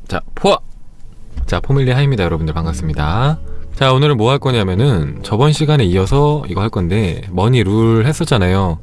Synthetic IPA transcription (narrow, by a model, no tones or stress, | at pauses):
t͡ɕa̰pʰoa | t͡ɕapʰomiʎːiɦaɕimɲidajʌɾʌbundɯɭpaŋɡas͈ɯmɲidat͡ɕaonɯɾɯmoɦaɭk͈ʌɲamjʌnɯnt͡ɕʌbʌnɕʰiɡaneiʌsʰʌiɡʌɦaɭk͈ʌnde̞ | mʌɲiɾuɾɦe̞s͈ʌtt͡ɕ͈anajo